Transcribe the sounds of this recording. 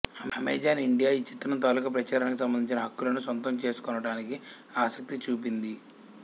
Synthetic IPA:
ɐmɐmḛːd͡ʒaːniɳɖijaːit͡ʃːit̪ːɾɐmt̪aːlukɐp̬ɾɐt͡ʃaːɾɐnɐkus̬ɐmbɐnd̪iɲt͡ʃinɐɦɐkːulɐnusʋɐnt̪̬ɐmt͡ʃe̞ːsu̥kɔnɐʈaːnikiaːsɐk̚t̪it͡ʃuːp̬ind̪i

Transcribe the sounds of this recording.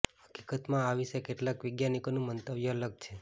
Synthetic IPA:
ɦə̥ki̥kət̪mãaʋiʃekeʈlakʋɪɡjanikonũmənt̪əʋjəələɡ̚t͡ʃʰe

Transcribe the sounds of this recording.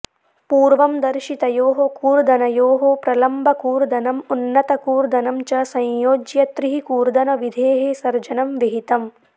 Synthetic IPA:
puːɾʋɐmd̪ɐɾʃit̪ɐjoːɦokuːɾd̪ɐnɐjoːɦopɾɐlɐmbʱɐkuːɾd̪ɐnɐmunːɐt̪ɐkuːɾd̪ɐnɐmt͡ʃɐsɐ̃jjoːd͡ʒjɐt̪ɾiɦikuːɾd̪ɐnɐʋid̪ʱeːɦesɐɾd͡ʒɐnɐmʋiɦit̪ɐm

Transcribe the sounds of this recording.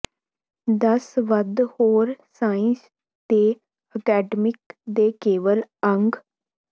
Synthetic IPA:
d̪əsʋəd̪hoːɾsaːɪ̃ns | t̪eː | əkɛːɖəmɪkd̪eːkeːʋələŋɡ

